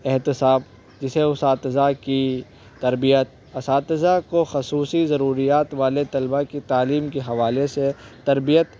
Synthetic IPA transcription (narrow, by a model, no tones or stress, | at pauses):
ɪɦt̪ɪsaːb | d͡ʒɪseʊsaːt̪ɪzaki | t̪ɐɾbijət̪̚ | ɐsaːt̪ɪzakoxɐsuːsizɐɾuːɾijaːt̪ʋaːlet̪ɐlbakit̪aːliːmkeɦɐʋaːleset̪ɐɾbijət̪